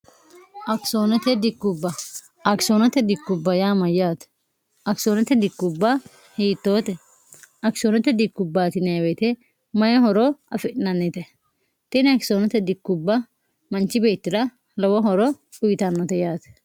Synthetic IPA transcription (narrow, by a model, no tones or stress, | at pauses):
ʔɐksoːnɛt̪ɛd̪ɪkːʊbːɐ | ɐkɪ̥sonɔt̪ɛd̪ɪkːʊbːɐjaːmɐjaːt̪ɛ̥ | ʔɐkɪ̥soːnɛt̪ɛd̪ɪkːʊbːɐ | hiːt̪ːoːt̪ɛ | ɐksoːnɛt̪ɛd̪ɪkːʊbːaːt̪ɪnɐjwet̪ɛ | mɐjɔhɔɾɔʔɐ̰fɛʔɪnɐnːɛt̪ɛ | t̪ɛnɐkɪ̥soːnɛt̪ɛd̪ɪkːʊbːɐ | mɐnt͡ʃːɪbeːt̪ːɪd̪ɐ | lɔwɔɦɔɾɔ | ʊjɪt̪ɐnːɔt̪ɛjaːt̪ɛ̥